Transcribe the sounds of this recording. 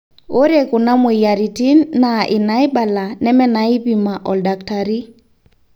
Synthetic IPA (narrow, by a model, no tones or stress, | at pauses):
oɾekunamujaɾitinːaʔinajbalanɛmɛnaipimaʔɔldaktaɾi